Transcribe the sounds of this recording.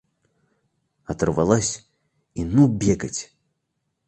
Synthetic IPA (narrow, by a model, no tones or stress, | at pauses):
ɐt̪rvalˠasʲ | inubʲɛɡɐt͡sʲ